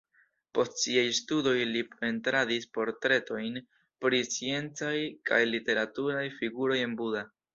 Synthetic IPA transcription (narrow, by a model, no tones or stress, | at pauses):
po̞stsiajstudo̞jlipe̞ntɾadispo̞ɾtɾe̞to̞jn | pɾit͡sie̞nt͡sajkʰa̰jlite̞ɾatuɾajfiɡuɾo̞je̞nbuda